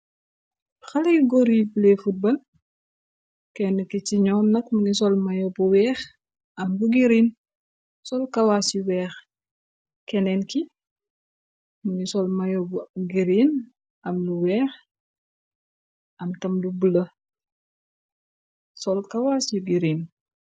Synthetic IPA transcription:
xɐlɐjɡɔɾibulɛfut̚bɐl | kɛnəkit͡ʃiɲɔːnnɐkmuŋisɔlmɐjɔbuwɛːx | ɐmbuɡiɾin | sɔlkɐwaːsjuwɛːx | kɛnɛnki | muŋisɔlmɐjɔbuɡiɾin | ʔɐmluwɛːx | ʔɐmtɐmlubulə | sɔlkɐwaːsjuɡiɾin

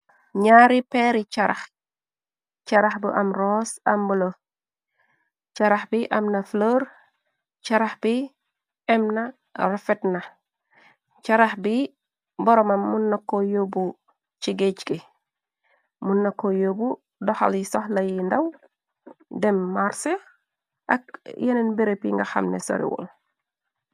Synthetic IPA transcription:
ɲaːɾipɛɾit͡ʃɐɾɐx | t͡ʃaɾɐxbəʔɐmroːsɐmbulo | t͡ʃaɾaxbiʔɐmnɐfloːɾ | t͡ʃaɾaxbi | ɛmna | ɾafɛtna | t͡ʃaɾaxbi | bɔɾɔmamːunːakːojobu | t͡ʃiɡet͡ʃki | munːakːojobu | dɔxa̰ljisɔhlajindaw | dɛmːaɾse | ʔa̰k̚jenenbiɾepjiŋɡaxa̰mnḛso̰ɾḭwɔ̰l

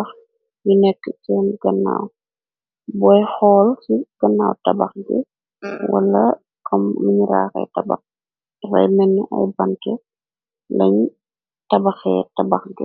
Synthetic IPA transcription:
x | junɛkːəsɛːnɡɐnːa̰w | bɔjxɔːlsiɡ̥ɐnːaːwtɐbɐ̰xɡɛ | wɐ̰lɐ | kʰɔmːiɲiɾa̰ːxɛ̰tɐbɐ̰x | fɐ̰jmɛnːiʔɐ̰jbɐntɛ | lɐɲ | tɐbɐxɛ̰tɐbɐxɡɛ

